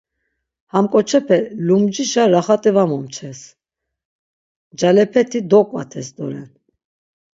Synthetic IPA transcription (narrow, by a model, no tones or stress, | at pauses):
hamkʼɔt͡ʃʰɛpʰɛlumd͡ʒiʃaɾaχat̪ʼivamɔmt͡ʃʰɛs | d͡ʒalɛpʰɛt̪ʰid̪ɔkʼwa̰t̪ʰɛsd̪ɔɾɛn